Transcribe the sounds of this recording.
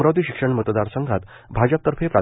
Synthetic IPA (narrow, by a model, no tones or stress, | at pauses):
ɾawd̪iːɕi̥kʂəɳmət̪d̪aɾsəŋɡʱat̪ | bʱad͡ʑəp̚t̪əɾfʰepɾa